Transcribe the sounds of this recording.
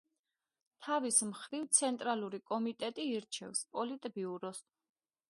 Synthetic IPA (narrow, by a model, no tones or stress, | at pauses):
t̪ʰavismχɾivt̪sʰɛnt̪ʼɾaluɾikʼɔmit̪ʼɛt̪ʼiːɾt͡ʃʰɛ̰vspʼɔlit̪ʼbiuɾɔs